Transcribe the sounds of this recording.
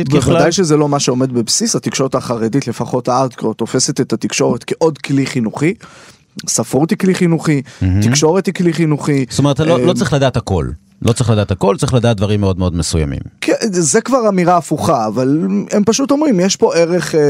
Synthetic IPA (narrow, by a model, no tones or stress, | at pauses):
eaadajʃezelo̞maʃeo̞me̞d̪bebsisat̪ikʃo̞ʁet̪aχaʁeditle̞faχo̞t̪aad̪kʁot̪ːo̞fe̞set̪et̪at̪ikʃo̞ʁet̪keʔod̪kliχinuχi | safut̪ikliχinuχitikʃo̞ʁet̪ikliχinuχitometloltt͡sʁiχlad̪aːt̪ako̞̰l | lʔot͡sʁiχlad̪aːt̪hako̞lt͡sʁiχlad̪aːt̚d̪vaʁimːeo̞d̪meo̞d̪mesuja̰mḭmkʰezekvaʁamiʁaːfuχaːvalempaʃut̪o̞mʁimjeʃpo̞ʔe̞ʁe̞χ